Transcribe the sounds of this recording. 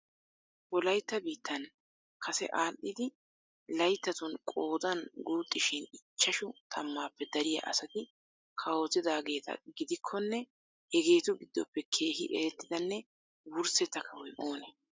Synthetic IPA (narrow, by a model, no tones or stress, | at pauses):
wɔlɐjt̪ːɐbiːt̪ːɐn | kʰɐsɛ̰ʔaːʔːɪd̪ɪ | lɐjt̪ːɐt̪ʊnkʼoːd̪ɐnɡuːt̪ʼːɪʃɪnɪt͡ʃːɐʃʊt̪ʰɐmːaːpːɛd̪ɐɾɪjɐ̰ʔɐ̰sɐt̪ɪ | kʰɐwot̪ɪd̪aːɡe̞ːt̪ɐ̰ɡɪd̪ɪkʰːɔnːɛ | hɛɡe̞ːt̪ʊɡɪd̪ːɔ̰pːɛkʰe̞ːɦɪʔɛ̰ɾɛt̪ːɪd̪ɐnːɛ | wʊɾsɛt̪ːɐkʰːɐwɔjʔo̞ːnɛ